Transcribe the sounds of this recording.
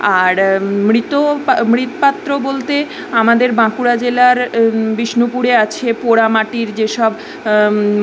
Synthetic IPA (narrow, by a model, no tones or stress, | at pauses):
aɾmɾit̪omɾit̪opat̪ːɾobolt̪e | amad̪eɾbãkuɾad͡ʑelaɾbiʃnupuɾeat͡ɕʰepoɽamaʈiɾd͡ʑeʃɔb